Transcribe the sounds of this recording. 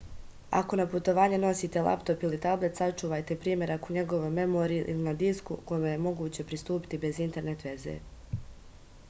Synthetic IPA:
a̰ko̞naput̪o̞ʋaːɲe̞no̞siːt̪e̞lˠa̰pt̪o̞pilit̪able̞t̪sat͡ʃuːʋajt̪e̞pɾiːmʲje̞ɾakoɲe̞ɡo̞ʋo̞jme̞moɾiʔḭlinad̪iskuko̞jimejemo̞ɡuːt͡ɕe̞pɾist̪uːpi̥t̪ibe̞zint̪e̞ɾne̞t̪ʋe̞zḛː

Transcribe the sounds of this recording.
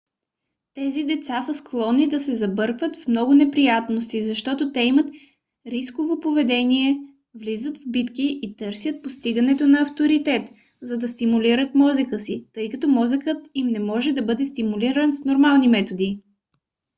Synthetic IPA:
t̪ɛzid̪ɛt̪sasɐsklˠɔnːid̪ɐsɛzɐbɤɾkvət̪fmnɔɡʊnɛpɾijat̪nost̪izɐʃt̪ɔt̪ot̪ɛimət̪ | ɾiskovopovɛd̪ɛniɛ | vlizət̪vbit̪kiʔːt̪ɤɾsʲjət̪̚post̪iɡɐnɛt̪onɐɐft̪oɾit̪ɛt̪ | zɐd̪ɐst̪imuliɾət̪mɔzəkəsit̪ɤjkɐt̪ɔmɔzəkət̪imnɛmɔʒɛd̪ɐbɤd̪ɛst̪imuliɾənsnoɾmalˠnimɛt̪od̪i

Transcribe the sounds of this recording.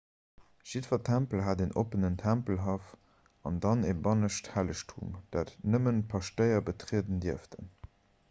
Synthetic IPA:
ʒ̥idfɐtʰæmpəlɦaːdenʔo̰pənəntʰæmpəlɦɑf | ɑndɑnebɑnəʃthæləʃtʰṵmd̥aːtnəmənpʰɑʃtəɪɐbətʁiədəndiəftʰə̰n

